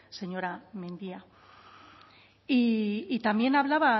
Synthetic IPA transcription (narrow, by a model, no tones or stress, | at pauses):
se̞ɲo̞ɾamẽnd̪ia | iːt̪ambje̞naβlaβa